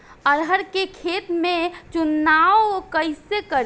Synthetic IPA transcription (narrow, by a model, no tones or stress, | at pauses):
əɾɦəɾkekʰet̪mẽt͡ʃunːaowkəɪsekəɾ